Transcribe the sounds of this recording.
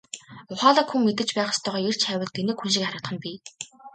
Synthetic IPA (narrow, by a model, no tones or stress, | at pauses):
ʊχaːɮaːkxuŋmet̪ɘ̆t͡ɕpæːχʊ̥st̪ʰœːʁɔːer̥t͡ɕʰæwʲə̆ɮt̪enĕːkxunʃ̬ĭkaɾə̆t̪χə̆npʲiː